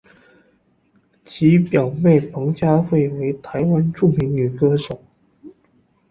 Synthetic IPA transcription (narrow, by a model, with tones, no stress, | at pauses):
t͡ɕʰi˧˥pjɑ˨˩ʊme˥˩ɪpʰɤ˧˥ŋt͡ɕja˥xwe˥˩ɪwe˧˥ɪt̪ʰa˧˥ɪwa˥nʈ͡ʂu˥˩mi˧˥ŋy˨˩kɤ˥ʂo˨˩˦ʊ